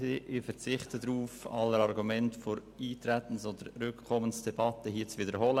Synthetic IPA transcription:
eʔɪfəɾt͡sɪχtʰədɾuːfɑləɾɑɾɡumɛntfoɾ | iːtɾɛtən̩sod̥əɾɾʏkkʰːɔmənsd̥ɛbɑtəhiːt͡svidəɾhɔlə

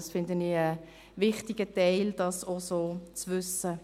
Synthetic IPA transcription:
sfɪndəniə | ʋɪχtɪɡ̥ətɛɪld̥ɑsosoːt͡sʋʏsə

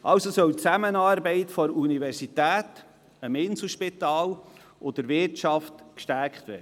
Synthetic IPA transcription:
ʔɑwsosœwt͡sæmənɑːɾbɛɪtfɔɾunivɛɾsitæːt | əmɪnsl̩ʃpit̪ɑːl | ʔod̪əɾvɪɾtt͡ʃɑftkʃtæɾkt̪vɛ̰ː

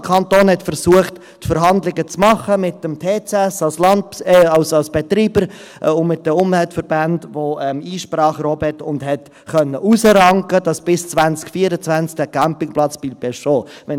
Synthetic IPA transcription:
kʰɑntoːnhɛtfəɾsuəχtː | fəɾɦɑndlɪɡət͡smɑχəmɪtːəmtʰeːt͡sɛsɑlslɑndɑʊsɑlsb̥ɛtɾiːbəɾ | ʊmɪt̚dəʊmvɛltfəɾbændvoɛmiːʃpɾɑːχɾɔbɛtʊndhɛt | χœnːəʔusəɾɑŋkəd̥ɑsb̥ɪst͡svænt͡skfiəɾət͡sʋænt͡sk̚d̥əkæmpɪŋplɑt͡sb̥ilbɛsʃoːʋɛn

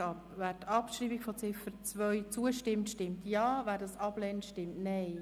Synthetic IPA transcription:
ɑpvæːɾtɑpʃɾiːbikfɔt͡sɪfəɾt͡svœʏt͡suəʃtɪmtʃtɪmtjɑːvæːɾdɑsɑb̥lɛnəʃtɪmtnɛɪ

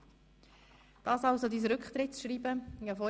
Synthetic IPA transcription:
d̪̥ɑːsɑwsod̪iːs̬ɾʏkχt̪ɾɪtsʃɾiːbəafɔ

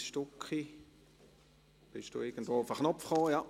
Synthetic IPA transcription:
ʃtʊkχi | b̥ɪʃd̥ṵːɪɡ̥n̩dvoːʊfəχnɔpfχoːjɑ

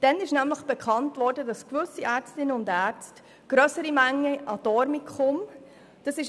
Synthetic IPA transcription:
d̥ɛnɪʃnæmləχb̥ɛkχɑntvɔɾdədɑskvʉsiæːɾt͡stɪnːəʊndæːɾt͡st | ɡ̥ɾœsəɾimæŋːəʔɑd̥ɔɾmikχʊm | d̥ɑsɪʃ

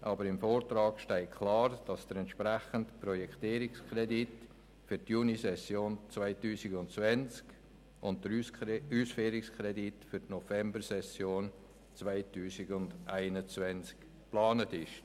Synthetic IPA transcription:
ʔɑːbəɾɪmfoːɾtɾɑːɡʃtɛɪkʰlɑːɾd̥ɑsd̥əɾɛntʃpɾæχəntpɾɔjɛkχtiːɾɪkskɾɛdit | fytjuːnisɛsjoːnt͡svaɪtuːsɪɡʊntt͡svɛnt͡sk | ʊnttəyːsfeːɾɪkskɾɛditfʏɾtnɔfɛmbəɾsɛsjoːn | t͡svaɪtuːsɪɡʊndʔaɪnət͡svɛnt͡sk | plɑːnətɪʃ

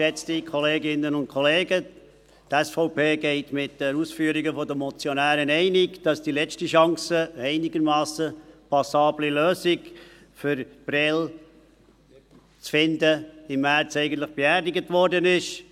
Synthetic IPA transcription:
ʃɛt͡stikʰɔleːɡɪnːənʊntkʰɔleːɡə | tɛsfɔʊpeːɡɛɪtmɪt̚d̥əɾusfyːəɾiɡəfɔdəmɔt͡sjɔnæːɾənɛɪnɪkd̥ɑsd̥ilɛt͡ʃtiʃɑŋsəɛɪnɪɡəɾmɑːsəpʰɑsɑːbliløːsɪɡ | fʏɾb̥ɾɪl | t͡sfɪndəɪmːæːɾt͡sɛɪɡəntlɪχb̥eæːɾdɪɡətʋɔɾdənɪʃ

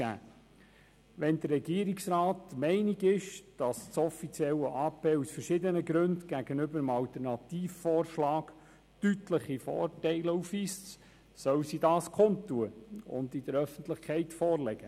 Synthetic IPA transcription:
æ̰ː | ʋɛnd̪ərːɛɡ̥iəɾiksɾɑːt̪mɛɪniɡɪʃd̥ɑst͡sɔfit͡sjɛlːəʔɑːpeːusfəɾʃɪdənəɡɾɵndɡ̥æɡ̥ənʏbəɾəmɑlt̪əɾnɑt̪iːffɔːrʃlɑːɡ | tytləχifɔ̰ːrtɛɪlufʋiːst | sœwsidɑːskʰont̪ːuəʊ̰nd̪id̥̪əɾœfən̩t̪ləχkʰɛɪtfɔːrlɛɡ̥ə

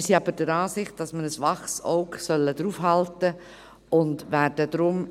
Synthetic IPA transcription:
siːɑbəɾd̥əɾɑːsɪχt̚d̥ɑsməɾəsʋɑχsɔʊksœlːədɾuːfɦɑltə | ʔʊndʋæːɾd̥ədɾʊm

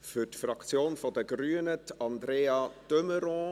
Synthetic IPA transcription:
fʏtfɾɑkt͡sjoːnfɔdəɡɾyːənətɑnd̪ɾeːɑtøməɾɔ̃

